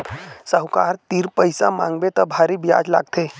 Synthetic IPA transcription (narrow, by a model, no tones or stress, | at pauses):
səɦwkaɾt̪iːɾpəjsa̰mã̰ŋɡbet̪əbʱaɾiːbja̰d͡zla̰ɡ̚t̪e